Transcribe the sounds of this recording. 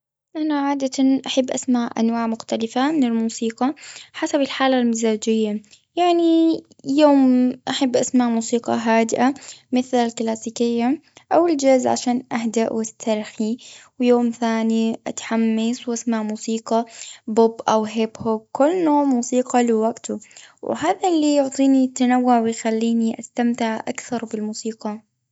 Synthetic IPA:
ʔanaʕaːd̪at̪anʔaħabːʔasmaʕʔa̰nwaːʕmʊxt̪alɪfamɪnɪlmuːsiːqɑħasabɪlħaːlalmɪzaːd͡ʒɪjːa | jaʕni | joːmʔaħabːʔasmaʕmuːsiːqɑ̰ɦaːd̪ɪʔamɪθlalklaːsiːkɪjːaʔawɪld͡ʒazʕa̰ʃaːnʔaɦd̪aʔwɪst̪ʰɑɾˤxiwjoːmθaːniʔa̰t̪ħamːaswʔasmaʕmuːsiːqɑbʊbʔawɦɪbhʊɡ̚kʊlːnoːʕmuːsiːqɑlɪwaɡt̪ʊw̰haːðalːijʊʕt̪ˤiːnit̪ːanawːʊʕwɪjxalːiːniʔast̪amt̪ɪʕʔa̰kθɑɾˤbɪlmuːsiːqɑ

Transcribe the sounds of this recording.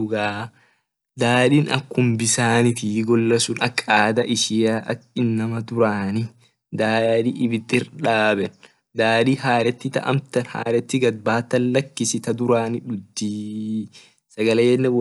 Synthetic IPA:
ʊɡaː | d̪aːᶑinɐ̰kːʊmbɪsaːnɪt̪iɡɔlːɐsʊnɐkːaːd̪ɐʔɪʃɪjaːʔɐ̰kɪnːɐmɐd̪ʊɾaːnɪ | d̪aːᶑiːʔɪbɪd̪ːɪɾᶑaːbɛn | d̪aːᶑiːɦaːɾɛt̪ːɪt̪ɐ̰ʔɐ̰mt̪ɐnha̰ːɾɛt̪ːɪɡɐd̪̚baːt̪ːɐnlɐkːɪsɪt̪ɐd̪ʊɾaːnɪᶑʊd̪ːiː | sɐɡɐlɛjɛnːɛ

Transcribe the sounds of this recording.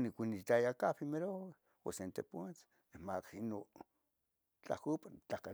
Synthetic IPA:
nikʷinit̪ajakapimeɾowe | o̰sent̪ḛpot͡s | nemakino | t͡ɬa̰kupat͡ɬaka

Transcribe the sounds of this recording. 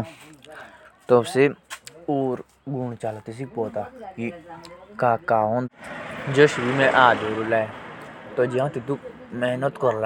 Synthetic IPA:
t̪obseuːɾ | ɡuːɳt͡ʃaːlt̪is̬ik̚poːt̪aːkikaːkaːond͡ʒəʃɾimẽʔaːd̪oːɾulaːt̪od͡ʒeãt̪it̪uk | mɛːnət̪kɔɾla

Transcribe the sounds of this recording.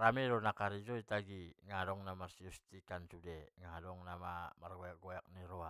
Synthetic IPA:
ɾameɾonakaɾid͡ʒoitaɡiŋadoŋnamarsiust̪ikansudeŋadoŋnamamarɡoak̚ɡojak̚niɾoa

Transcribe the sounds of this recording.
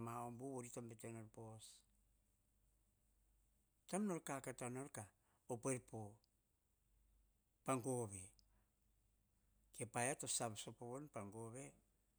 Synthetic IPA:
maombuβoɾitombetenoɾpo̞s | tamno̞ɾkakatano̞ɾka | opoeɾpo | paŋɡo̞βe̞ | ke̞pajatosaβsopoβonpaŋɡoβe̞

